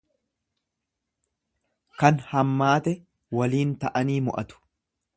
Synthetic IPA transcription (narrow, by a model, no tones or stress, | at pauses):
kɐnhɐmːaːt̪ɛ | wɐliːnt̪ɐʔɐniːmʊ̰ʔɐt̪ʊ̥